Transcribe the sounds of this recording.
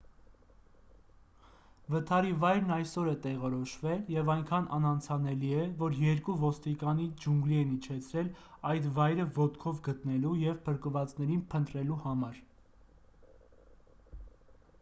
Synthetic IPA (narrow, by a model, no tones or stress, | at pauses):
vət̪ʰɑɾivɑjɾnɑjsɔɾɛt̪ɛʁɔɾɔʃvɛljɛvɑjŋkʰɑnʔɑ̰nɑnt͡sʰɑnɛliɛvɔɾjɛɾkuvɔst̪ikɑnid͡ʒuŋɡliɛnit͡ʃʰɛt͡sʰɾɛlɑjt̪vɑjɾəvɔt̪kʰɔvɡət̪nɛlujɛvpʰəɾkəvɑt͡snɛɾinpʰənt̪ɾɛluhɑmɑɾ